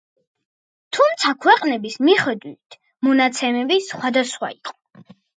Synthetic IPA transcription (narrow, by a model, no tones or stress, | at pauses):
t̪ʰumt̪sʰakʰwɛqʼnɛbismiχɛd̪wit̪ʰ | mɔnat̪sʰɛmɛbisχwad̪asχwa̰iqʼɔ̥